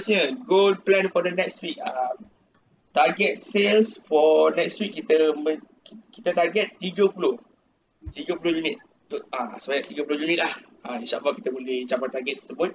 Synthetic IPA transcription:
sɲəɡonplɛ̃nfɔdənɛkstwik̚əm | t̪aɡɛt̪̚selsfɔnɛkstwikːit̪əmə̃ | ki̥t̪ət̪aɡɛt̪ːiɡəpulʊh | t̪iɡəpulohjunit̪̚ | t̪ʊasəbajaʔt̪iɡəpulʊhjunit̪̚lah | aĩnʃa̰ʔlaki̥t̪əbolɪht͡ʃabant̪aɡɛt̪̚ːə̥səbʊt̪̚

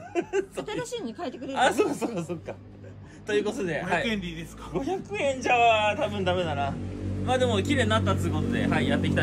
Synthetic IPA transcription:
sot̪aoɕĩɲikaet̪ːekɯɾeasokːasokːasokːa | t̪o̞jɯ̟ːko̞t̪o̞d̪e̞haiẽnd̪id̪esḁɡo̞çakɯ̟ẽ̞ɲd͡ʑaβat̪abɯ̟̃nd̪ame̞d̪anamaːd̪e̞mo̞kʲiɾe̞ːɲinat̪ːat͡sɨiɯko̞t̪o̞d̪e̞̰ɦaijat̪ːekʲi̥t̪a

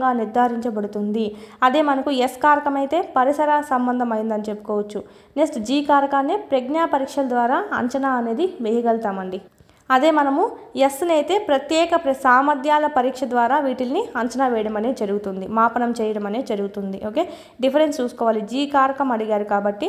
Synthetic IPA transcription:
ɡaːniɾd̪ʱaːɾiɲt͡ʃɐbɐɽut̪und̪iɐd̪e̞ːmɐnɐkueskaːɾɐkɐmɐjit̪e̞ːpɐɾisɐɾaːɐsɐmbɐnd̪ʱɐmɐjind̪ɐnit͡ʃe̞pːu̥kɔːʋɐt͡ʃːu | nesʈd͡ʒiːkaːɾɐkaːneːpɾeɡnaːpɐɾiːkʂɐlɐd̪ʋaːɾaːɐ̰ɲt͡ʃɐnaːɐne̞ːd̪iʋejɐɡɐlt̪aːmɐɳɖi | ɐd̪e̞ːmɐnɐmuesnɐjit̪e̞ːpɾɐt̪jɛːkɐpɾɐsaːmɐd̪ʱjaːlɐpɐɾiːkʂɐd̪ʋaːɾaːʋiːʈilɐniɐɲt͡ʃɐnaːʋɛːjɐɽɐmɐneːd͡ʒɐɾuɡut̪und̪imaːpɐnɐmt͡ʃɛːjɐɽɐmɐneːd͡ʒɐɾuɡut̪und̪iʔoːkeː | ɖipʰɐɾenst͡ʃuːsu̥kɔːʋaːlid͡ʒiːkaːɾɐkɐmɐɽiɡaːɾukaːbɐʈːi

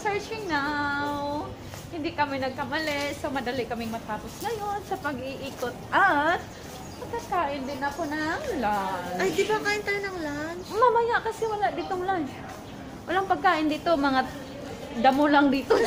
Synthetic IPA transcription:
sɛɹt͡ʃɪŋnaw | hɪnd̪ikɐmɪnɐɡ̚kɐmɐlɛsomɐd̪ɐlɪkɐmɪŋmɐt̪aːposŋɐjo̞nsɐpɐɡɪʔiːkot̪̚ʔat̪̚ | pɐɡ̚kɐkaːʔɪnd̪ɪnɐko̞nɐŋlanajd̪ɪbakaːʔɪnt̪ajonɐŋlanmɐmɐjaʔkɐsɛwɐlaʔd̪iːt̪oŋlans | wɐlaŋpɐɡ̚kaːʔɪnd̪iːt̪o̞mɐŋa | d̪ɐmolaŋd̪iːt̪o

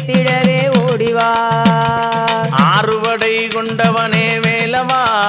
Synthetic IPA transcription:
t̪ɪɽɐɾeːoːɽiʋaː | aːrɯʋɐɽɐɪkɔɳɖɐʋɐneːmeːlɐmaː

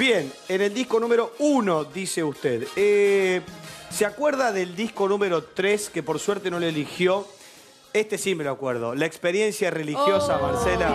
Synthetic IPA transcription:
bjeneneld̪ihko̞nũmeɾo̞uno̞ðiseust̪eðe | seakweɾðaðeld̪ihko̞nũmeɾo̞t̪ɾeskepo̞ɾsweɾt̪e̞no̞leelixjo̞ | est̪esimeloakweɾðo̞̰laekspeɾje̞nsjare̞lixjo̞samansela

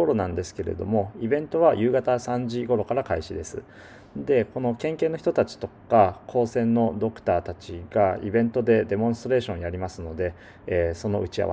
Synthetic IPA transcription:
oɾo̞nãnd̪e̞sɨ̥ke̞ɾe̞̰d̪o̞mo̞ibẽ̞nt̪o̞β̞ajɯ̟ːɡat̪asãɲd͡ʑiɡo̞ɾo̞kaɾakaiɕid̪e̞sɨ̰ | d̪e̞ko̞no̞kẽ̞ŋkeːnoçi̥t̪o̞t̪at͡ɕi̥t̪o̞kakʰo̞ːsẽ̞nːo̞d̪o̞kɯ̟̥t̪aːt̪at͡ɕiɡaibẽ̞nt̪o̞d̪e̞d̪e̞mõ̞st̪oɾe̞ːɕõɰ̃jaɾʲimasɨno̞d̪e̞ː | so̞no̞ɯ̟t͡ɕia̰β̰

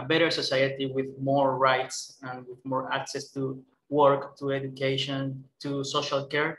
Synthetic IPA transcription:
əbɛɾəɹsosajat̪iwɪðmɔɹɹajtsãnwɪðmɔɹaksɛst̪u | wɔɹkt̪ʰuɛdukeʃɔ̃nt̪usoʃalkɛɹ

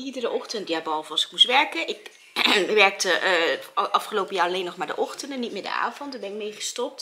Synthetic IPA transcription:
idərəʔɔχtəntjabɑlˠvɑlˠsɪ̥kmusʋɛɹkənʔɪk | ʋɛɹk̚təʔʔɑfχəlowpəjaːrɑlejnɔχmaːɹdə̰ʔɔχtəndənit̚mɪːɹdə̰ʔa̰ːvɔntdaɹbɛnɪk̚mejχəstɔp̚t

